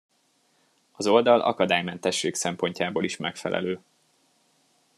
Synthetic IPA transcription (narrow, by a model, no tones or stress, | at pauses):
ɒzo̞ld̪ɒlʔɒ̰kɒd̪aːjmɛnt̪ɛʃːeːksɛmpo̞ɲcaːboːliʃmɛkfɛ̰lʔɛ̰løː